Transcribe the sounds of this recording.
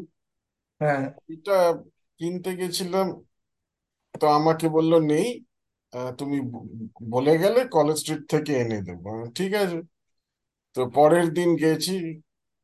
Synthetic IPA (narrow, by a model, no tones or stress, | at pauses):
ɦɛ̃eʈa | kint̪eɡet͡ɕʰilam | t̪oamakebolːonej | t̪umiboleɡɛlekɔled͡ʑsʈɾiʈ̚t̪ʰekeened̪ḛboʈʰikat͡ɕʰe | t̪opɔɾeɾd̪inɡet͡ɕʰi